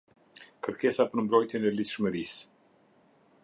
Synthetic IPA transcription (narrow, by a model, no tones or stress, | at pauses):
kəɾkɛsapəɾmbɾɔjt̪jɛnɛliθʃməɾis